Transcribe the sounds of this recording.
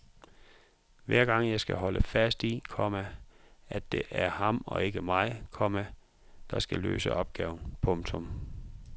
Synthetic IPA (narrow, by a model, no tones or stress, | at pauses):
ʋæɐ̰ɡ̥ɑ̈ŋ̰jɑ̈ɪsɡ̥æɦɒ̽lʔəfæsd̥ikʰɒmææ̥e̝ʔæɐhɑ̈mɒ̽e̝ɡ̥əmɑ̈ɪkʰɒmæ | d̥ɑ̈sɡ̥ælø̰ːsəʔɒ̽b̥̚ɡ̥ɛːʊn̩pʰɔ̽ŋt͡sʰɔm